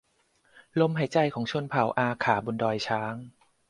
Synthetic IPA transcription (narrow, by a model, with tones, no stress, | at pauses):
lo˧mɦa˨˩˦jt͡ɕa˧jkʰɔː˩˦ŋt͡ɕʰu˧ənpʰa˨˩˦wʔaː˧kʰaː˩˦bu˧ndɔː˧jt͡ɕʰaː˦˥ŋ